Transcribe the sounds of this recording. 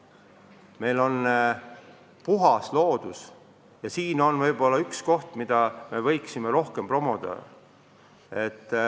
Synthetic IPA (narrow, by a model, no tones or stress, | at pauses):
me̞jlo̞n | puɦɑslo̞ːd̪̥us | jɑsiːno̞nvɤjbo̞lːɑyksko̞ht̪mid̪̥ɑme̞vɤ̞jksime̞ɾo̞hke̞mpro̞mod̪̥ɑ̰ | e̞t̪ː